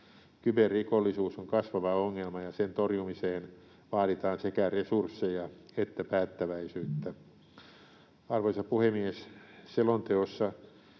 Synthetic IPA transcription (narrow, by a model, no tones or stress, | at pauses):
kyberrikolːisuːsoŋkɑsʋɑʋɑoŋːelmɑjɑsent̪orjumiseːn | ʋɑːɾit̪ɑːnsekæresursːejɑet̪ːæpæːt̪ːæʋæisyːt̪ːæ | ɑrʋoisɑpuhemiesselont̪eosːɑ